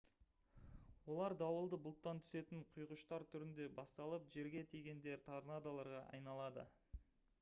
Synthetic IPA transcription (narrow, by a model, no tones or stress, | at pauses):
wo̞lˠɑɾd̪ɑwəlˠd̪əbʊlˠt̪ːɑnt̪ʰʏ̥se̞t̪ɪɴqʰʊjʁʊʃt̪ɑɾt̪ʰʏɾɪnd̪e̞bɑst̪ɑlˠəpʒe̞ɾɡʲe̞t̪ʰijɡʲe̞nd̪e̞ɾt̪ʰaɾnad̪alˠɑɾʁɑʔɑ̰jnɑlˠɑd̪ə̰